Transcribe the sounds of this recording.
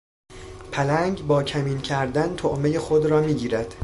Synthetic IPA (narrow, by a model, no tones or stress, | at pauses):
pʰælæŋɡbɒːcʰæmiːncʰæɾd̪ænt̪ʰoʔmejexod̪ɾɒːmiːɡiːɾæd̪̥